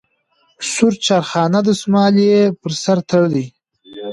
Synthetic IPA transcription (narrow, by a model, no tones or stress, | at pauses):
suɾt͡ʃɑɾxɑːnad̪əsmɑːlepəɾsaɾt̪ʰəɽd̪i